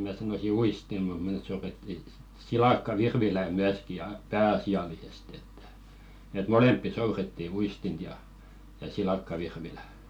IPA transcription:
mæ sɑnosi uistim̆ mut mĕs̆ souretːi silɑkːɑʋirʋilæ myæski jɑ pæːɑsiɑlisest etːæ̥ et molempːi souretːi uistint jɑ jɑ silɑkːɑʋirʋilæ

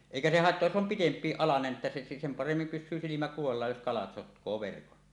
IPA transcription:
eˑikæ se hɑetːoɑj jos om pitempˑiːʔ ʔɑlɑnen etːæ se sem pɑremːim pysˑyː silimæ kuʋɑlːɑːj jos kɑlɑt sotkˑoː ʋerkon

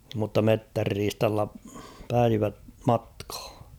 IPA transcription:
mutːɑ metːærːiːstɑlːɑ pæiʋæ mɑtkh̞ɑ̥

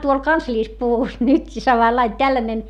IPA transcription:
tuol kɑnsliːspuʋus nytki sɑmɑlːɑin tælːænen

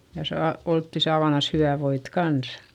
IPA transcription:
jɑ sɑː oltːi sɑːʋɑnɑs hyʋæˑ ʋoit kɑns

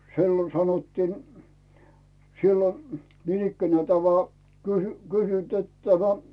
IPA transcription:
si̞lːon sɑnotːiːn silːon̞ niːnikːænæː teæˑ oʋ ʋoɑ kysy kysynt et tæmæ

